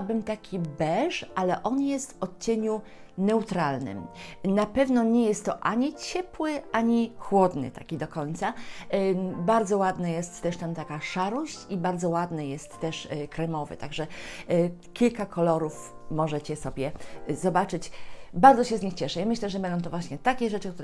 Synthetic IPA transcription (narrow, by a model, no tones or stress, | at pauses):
bɘmt̪akʲibɛʂʔalɛʔɔnjɛst̪vɔt̪̚t͡ɕeɲu | nɛut̪ɾalnɘ̰mnapɛvnɔɲɛjɛst̪ːɔʔaɲit͡ɕɛpwɘʔaɲixwɔd̪nɘ̰t̪a̰kʲid̪ɔkɔɲt̪sa | baɾd̪zɔwad̪najɛst̪ːɛʂt̪amt̪akaʂaɾɔɕt͡ɕibaɾd̪zɔwad̪najɛst̪ːɛʂkɾɛmɔvɘ̰t̪aɡʐɛ | kʲilkakʰɔlɔɾuf | mɔʐɛt͡ɕɛsɔbʲjɛzɔbat͡ʂɘt͡ɕbaɾdzɔɕɛzɲixt͡ɕɛʂɛjamɘɕlɛʐɛbɛnɔ̃w̃t̪ɔvwaɕɲɛt̪akʲɛʐɛt͡ʂɘkt̪uɾɛ